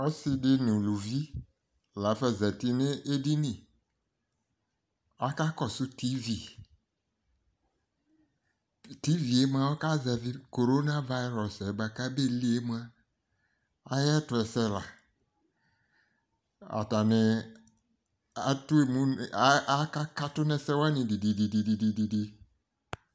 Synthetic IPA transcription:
ɔ˦sɪ˦dɪ˦nɪ̃˨lu˨vi˦ | la˨˦fɛ˦zɛ˨ti˦nɪ̃˦ʔe˦di˦nĩ˨ | a˦ka˦kɔ˨sʊ˦ti˦vi˦˨ | ti˦vi˨e˦m˦ã˦ɔ˦ka˦zɛ˨ðɪ˦ko˨ɾo˦na˦va˦ɾɔ˨sɛ˨ba˨ka˦be˦li˦e˦m˦a˦ | a˦jɛ˦tʊ˨ɛ˨sɛ˦la̰˨ | a̰˨ta˨nɪ˨ | a˦tʊ˦e˨mũ˦˨˦a˦ka˦ka˦tʊ˦nɛ˦sɛ˦wa˦nɪ̃˨di˨di˨di˨di˨di˨di˨di˨di˦

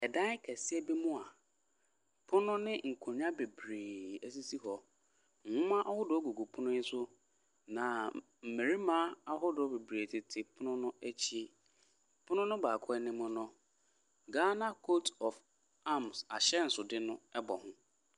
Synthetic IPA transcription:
ɛ˨dã˦kʰɛ˨sɪ˦ɛ˦bi˦mʊ̃˦a˨ | pʰʊ˦nʊ̃˦nɪ̃˦ŋ̩˨kʰʊ̃˨ɲ˦ã˦be˨bɾeː˨æ˨s̬i˦si˦ɦɔ˨ | ŋ̩˨hʊ̃˦mã˦ʔɔ˦hʊ˦dʊ˨˦ɔ˦ɡu˨ɡu˨pʰʊ˦nʊ̃˦n̩˦sʊ˦ | nã˨ | m̩˨me˨ɾi˦mãː˦a˦ɦʊ˦dʊ˨ɔ˦be˨bɾeː˨tʰɪ˨tʰɪ˨pʰʊ˦nʊ̃˦nʊ̃˦æ˦t͡ɕʰi˦ | pʰʊ˦nʊ̃˦nʊ̃˦baː˨kʰɔ˦ɛ˦nɪ̃˦mʊ̃˦nʊ̃˦ | ɡa˦na˦kʰo˦tɔ˨f | a˦msa˨ɕɛ˦n̩˨sʊ˨dɪ˦nʊ̃˦ɛ˦bɔ˨hʊ̃˦

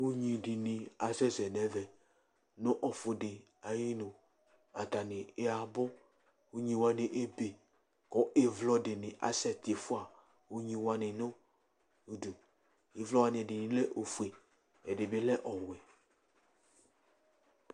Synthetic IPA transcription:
u˦ɲĩ˨dɪ˨nɪ˨a˨sɛ˦zɛ˨nɛ̃˨vɛ˨ | nõ˦ʔɔ˨fʊ˨dɪ˨ | a˨ji˦nʊ̃˨ | a˨ta˨nɪ˨e˦a˨bɔ˦ | u˦ɲĩ˨wa˨nɪ˨ʔe˦be˨ | kɔ˦ʔe˨vlɔ˨˦dɪ˨nɪ̃˨ʔa̰˨sɛ˦t̪ɪ˨fʊ˦a˨ | u˦ɲĩ˨wa˦nɪ˨no˦ | u˨du˨ | e˨vlɔ˦wa˦nɪ̃˨ɛ˨dɪ˨nɪ̃˨lɛ˦ʔo˨fu˨e˨ | ɛ˨dɪ˨bɪ˦lɛ˦ʔɔ˨wɛ˨

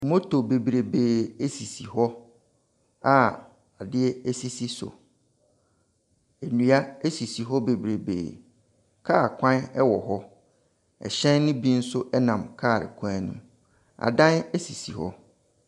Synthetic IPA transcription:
mo˦tʰo˨be˨bɾe˨beː˨e˦si˨si˨ɦɔ˦ | a˦ | a˨dɪ˦ɛ˦ɛ˦si˦si˦sʊ̰˨ | e˨nũ˨a˦e˦si˨si˨ɦɔ˦be˨bɾe˨bḛː˨ | kʰaː˦˨kʷʰã˦nɛ˦wɔ˨ɦɔ˦ | ɛ̰˨ɕɛ̃˦nːʊ̃˦bi˦n̩˦sʊ˦ʔɛ˦nã˨mkʰaː˦˨ɾɪ̰˨kʰã˦nṵ̃˦ | a̰˨dã˦nɛ˦si˨si˨hɔ̰˦

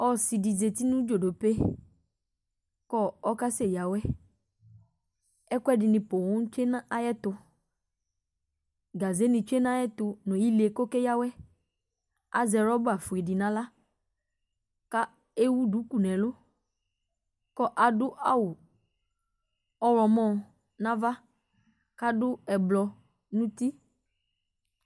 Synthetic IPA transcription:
ɔ˦si˨di˨ze˨t̪i˦nũ˦d͡ʒo˨do˨pe˦ | kɔ˦ɔ˦ka˦se˦˨ja˨wɛ˦ | ɛ˦kʷɛ˦dɪ˨nɪ̃˨pʊ˨wʊ̃˦t͡ʃe˦na˦a˦jɛ˦t̪ʊ˧ | ɡa˨ze˨˦nɪ̃˨t͡ʃe˦nã˦jɛ˦t̪ʊ˧nɔ̃˨ji˦le˨ko˦ke˦ja˦wɛ˦ | a̰˨zɛ˨ɾɔ˦bʊ˦a˨fu˨e˨dɪ˨nã˦la˦ | ka˦ | e˦wu˦du˨˦ku˨nɛ̃˨lʊ˦ | kɔ˦ʔa˨dʊ˦ʔa˦wʊ˨ | ɔ˦wlɔ˨mɔ̃˦ | nã˦va˦ | ka˦dʊ˦ɛ˨blɔ˨ | nũ˦t̪i˦

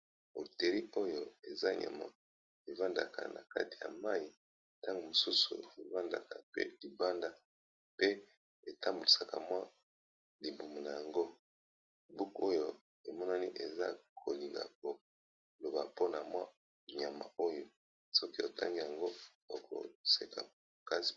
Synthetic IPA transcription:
o̰˨te˨li˦o˦jo˦e˨za˦ɲa̰˨ma̰˨ | e˨va˦nda˨ka̰˨na̰˨ka̰˦ti̥˨ja̰˨ma˦i˨ | ta˦ŋɡo˨mo˨su˦sṵ˨e˨va˦nda̰˨ka˨pḛ˦li˨ba˦nda˨ | pe˦ | e˨ta˦mbu˨li˨sa˨ka̰˨mwa˦ | li˨mbu˨mu˨na˨ja˨ŋɡo˦ | i˨bu˦ko˦jo˦˨ | e˨mɔ˦na˦ni˦ʔe˨za̰˦kʰo˨li˨ŋɡa̰˨k̚o˨ | lo˨ba˨po˦na˨mwa˦ | ɲa˨ma̰˨o˦jo˨ | sɔ˦ki˦o˨tʰa̰˦ŋɡi˦ja˨ŋɡo˦ | o˨kʰo̰˨se˨kʰa̰˨ | ka˦si̥˨

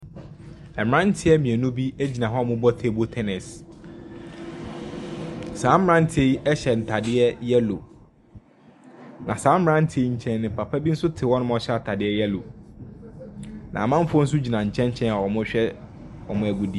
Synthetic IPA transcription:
ɛ˨m˨ɾã˦n̩˦tʰɪ˦ɛ˦mĩ˨ɛ˨nũ˦bi˦æ˦d͡ʑi˨nã˨ɦɔ˦˨mʊ̃˦bɔ˦tʰe˨bo˦tʰɛ˦nɪ˨s | sãː˨˦mɾã˦n̩˦tʰɪ˨˦e˦i˦ʔɛ˦ɕɛ˨n̩˨tʰa˨dɪ˦ɛ˦jɛ˦lo̰˨ | nã˨sãː˨˦m̩˦ɾã˦n̩˦tʰɪ˨˦e˦ɲ̩˨t͡ɕʰɛ̃˦nː˦ɪ̃˨pʰa˨pʰa˦bi˦n̩˦sʊ˦tʰɪ˨wɔ̃˦nʊ̃˦m˦ɔ˦ɕɛ˦a˨tʰa˨dɪ˦ɛ˦jɛ˦lo˨ | nʔã̰˨mã˦m̩˦fʊ˦ɔ˦n̩˦sʊ˦d͡ʑi˨nã˨ɲ̩˨t͡ɕʰɛ̃˦ɲ̩˦t͡ɕʰɛ̃˦na˨ɔ˨mʊ̃˦ɕᶣɛ˦ | ɔ˨mʊ̃˦æ˨ɡu˨di˨˦˨

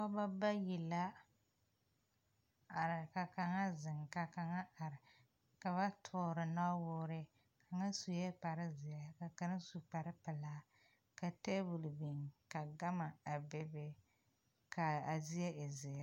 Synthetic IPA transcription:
ka˦ba˦ba˦ji˨la˦ | a˨ɾɪ˨ka˨ka˨ŋa˦zɪ˨ŋka˨ka˨ŋa˦a˨ɾɪ˨ | ka˨βa˦tʰʊː˦ɾɨ˨na˦wʊː˦ɾɪ˦ | ka˨ŋa˦su˨jɛ˦k͡pa˨ɾɪ˦zi˨ja˦ka˨ka˨˦na˦su˨k͡pa˨ɾɪ˦pɪ˨laː˦ | ka˨te˦bu˨lbi˨ŋka˨ɡa˦ma˨a˨be˦be˦ | ka˨a˨zi˦ɛ˦ʔe˨zɪ˨a˦

